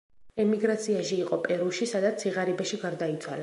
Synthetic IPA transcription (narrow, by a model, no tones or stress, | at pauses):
ɛmiɡɾat̪sʰiaʃiːqʼɔpʼɛɾuʃisad̪at̪sʰiʁaɾibaʃiɡaɾd̪ait̪sʰwala